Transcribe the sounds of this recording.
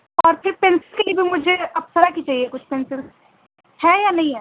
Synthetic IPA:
ɔːɾpʰɪɾpẽːnsɪlkeliebʱimʊd͡ʒʱeɐpsəɾakit͡ʃaːɦiekʊt͡ʃʰpẽːnsɪl | hɛjanɐɦĩɦɛː

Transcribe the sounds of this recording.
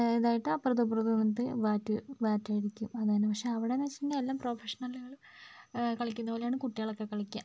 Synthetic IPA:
eðaːjiʈːɨɐpːrɐðupurɐðunɐt̪ːɨʋaːtːɨʋaːtːaːjiɾikʲːumɐðaːnɨpɐkʂe̞ɐʋiɽenɐt͡ɕːit̪ɐnːeelːaːmpro̞ːfeʂɐnɐlɣɐɭ | kɐɭɐkʲːunːɐpolejaːɳɨkuʈːiɣɐɭokːe̞kːɐɭɐkʲːa̰m

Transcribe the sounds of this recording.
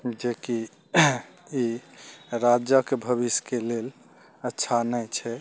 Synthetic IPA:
d͡ʒeki | i | ɾad͡ʒəkebʱəβiskelel | ətːʃʰanəjt͡ʃʰɛ

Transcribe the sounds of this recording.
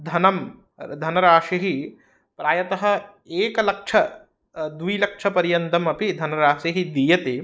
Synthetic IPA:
d̪ʱɐnɐm | d̪ʱɐnɐɾaːʃɐɦi | pɾaːjɐt̪ɐɦɐ̆ | eːkɐlɐkʂʰɐ | d̪uilɐkʂʰɐpɐɾijɐnd̪ɐmɐpid̪ʱɐnɐɾaːʃɐɦid̪ijɐt̪e

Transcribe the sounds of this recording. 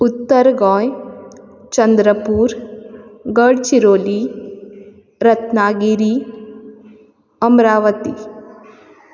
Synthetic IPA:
ut̪ːɐɾɡɔ̃ːj | t͡ʃɐnd̪ɾɐpuːɾ | ɡɐɖt͡ʃiɾoːli | ɾɐt̪naːɡiɾi | ɐmɾaːʋɐt̪ḭ

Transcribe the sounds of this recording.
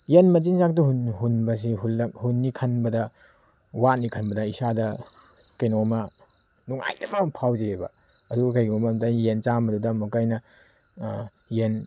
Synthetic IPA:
jenmɐt͡ʃinzak̚tɐhunhunbɐs̬iɦulːɐk̚hunːikʰɐnbɐdɐ | wanikʰɐnbɐdɐisadɐ | kɐjnomɐ | nuŋa̰jdɐmɐmpʰawzeebɐ̰ | ɐduɡɐkɐjɡiɐmɐmdɐjent͡ʃamɐdudɐmukɐjnɐ | jen

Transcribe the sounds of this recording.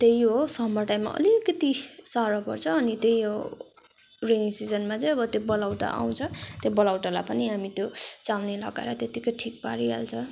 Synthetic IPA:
t̪ejɦosʌɦmʌrʈajmːa̰ʔʌ̰likʌt̪isaɾʌpʌrt͡sʰʌːnit̪ejɦo | rensid͡zʌnmat͡sʌ̃j̃ʌbʌt̪jobʌlawʈa̰ʔa̰w̃t͡sʰʌt̪jobʌlawʈalapʌniɦamit̪jot͡salnelʌ̰ɡa̰eɾʌt̪jet̪ikʌjʈʰik̚paɾia̰lt͡sʰʌ

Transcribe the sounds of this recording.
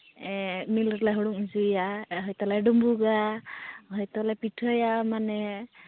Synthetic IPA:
ɛmilɾlaɦɔɽuŋizujaɦɔjt̪ɔlaɖumbuɡa | ɦɔjt̪ɔlɛpitʰɔjamanɛ

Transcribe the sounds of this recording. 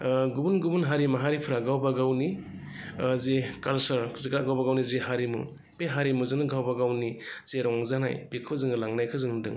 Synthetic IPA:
ɡubunɡubunɦaɾimaɦaɾipʰɾaɡawbaɡawni | zekalsɐɾziɡɾaɡawbaɡawnizeɦaɾimṵ | beɦaɾimuzɯŋnɯɡawbaɡawniz̥eɾɔŋzana̰jbikʰɯzɯŋɯlaŋnajkʰɯzɯŋdɯ̰ŋ

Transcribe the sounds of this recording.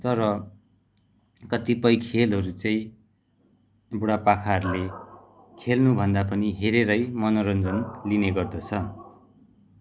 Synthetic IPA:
t̪ʌɾʌ | kʌt̪ipʌjkʰelɦʌɾut͡sʌĩ | buɽapakʰaʌɾule | kʰelnubʱʌnd̪apʌniɦeɾeɾʌjmʌnʌɾʌnd͡zʌnlineɡʌrd̪ʌt͡sʰʌ

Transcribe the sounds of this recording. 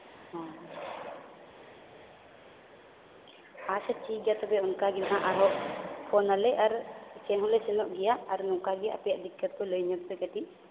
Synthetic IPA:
hɔ | asɛt͡ʃiɡɛjat̪ɔbɛunkaɡid̪aɦaʔaɾɦɔʔpʰɔnalɛʔaɾt͡ʃɛnɦɔlɛsɛnɔʔɡɛjaʔaɾnɔŋkaɡɛjaʔapɛjaʔd̪ikːət̪̚pɔlɔjɲɔkpɛkaʈiʔ

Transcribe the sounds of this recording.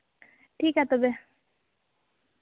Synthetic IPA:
ʈʰiːkɦat̪ɔbe

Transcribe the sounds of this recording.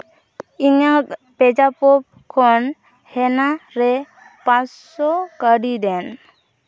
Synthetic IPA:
iŋak̚ | pɛd͡ʒapɔp̚kʰɔn | hɛnaɾɛ | pãt͡ʃ | sɔkəɖidɛn

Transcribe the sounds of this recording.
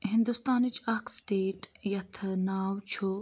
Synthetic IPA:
ɦɪnd̪ust̪aːnit͡ʃʰɐkʰsʈeːʈjɐt̪ʰnaːwt͡ʃʰo

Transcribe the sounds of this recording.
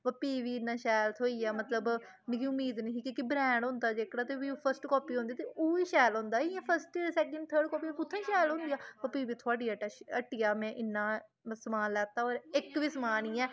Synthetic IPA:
pəpiːʋiːɪnːãːʃɛːlt̪ʰoːiːaːmət̪ləb | mɪ̃kiʊmiːd̪nĩːiːkiːkibɾɛ̃ːɳɖɦõːnd̪aːd͡ʒeːkɽaːt̪eːʋioːpʰəɾsʈkɔːpiːõːnd̪iːt̪eʔoːiːʃɛːlɦõːnd̪aːɪãːpʰəɾsʈsɛːkə̃ɳɖ̚t̪ʰəːɾɖkɔːpĩːkʊt̪ʰːãĩːʃɛːlɦõːnd̪ijaːpəpiːʋiːt̪ʰʊaːɖiːaʈːəʈɪːjaːmɛ̃ːʔɪnːãː | səmaːnlɛːt̪aːɔːɾɪkʋɪsmaːniːɛː

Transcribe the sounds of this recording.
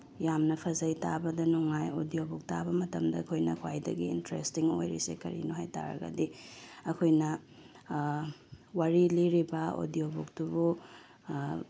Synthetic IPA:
jamnɐpʰɐzɐjtabɐdɐnuŋajodijobuk̚tabɐmɐtɐmdɐːkʰojnɐkʰwajdɐ̰ɡiḭntɾestiŋo̰jɾisḛkɐ̰ɾḭnoɦajta̰ɾɐ̰ɡɐ̰diɐkʰojnɐ | waɾiliɾibɐo̰diobuk̚dubu

